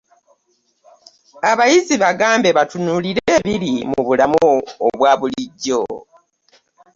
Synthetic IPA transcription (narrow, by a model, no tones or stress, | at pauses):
aβajiziβaɡaːmbe̞βatunuliɾeːβiɾimuβulamuoβwaːβuliɟːo̰